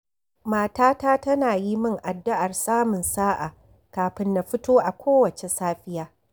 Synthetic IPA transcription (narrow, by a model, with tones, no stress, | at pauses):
maː˦taː˦taː˦tɐ˦naː˨ji˦mɪ˦ŋʔa˨dːɪ˦ʔa˨rsaː˦mʊ˨nsaː˦ʔa̰ː˨ | kaː˨ɸɪ˦nːa˨ɸɪ˦toː˦ʔa˨kʷʰoː˦wɐ˨t͡ʃe˨saː˦ɸɪ˦jaː˦